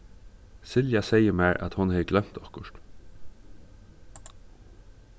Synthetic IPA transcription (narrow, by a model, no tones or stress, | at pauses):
sɪljɑseɪəmæːɾʔɑ̰t̪hʊnheːɡlœmt̪ɑkəʃʈ